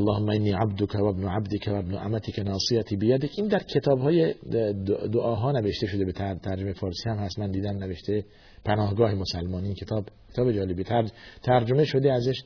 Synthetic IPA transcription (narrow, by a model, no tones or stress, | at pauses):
ælːɒːhomːæʔenːiːʕab̚d̪okʰævæbnoʕabd̪ekʰævæbnoʔæ̰mæt̪ʰiːkʰenɒːsijæt̪ʰiːbejæd̪ecʰiːnd̪æɾkʰe̞t̪ʰɒːbhɒːje | d̪oʔɒːɦɒːneveʃt̪e̞ʃo̞d̪e̞bet̪ʰæt̪ʰæɾd͡ʒomejefɒːɾsiːhæmhæst̪mænd̪iːd̪æmneveʃt̪ʰe | pʰænɒːhɡɒːhemosælmɒːniːnkʰet̪ʰɒːbkʰet̪ɒːbed͡ʒɒːlebit̪ʰæt̪ʰæɾd͡ʒo̞meʃo̞d̪eæzeʃ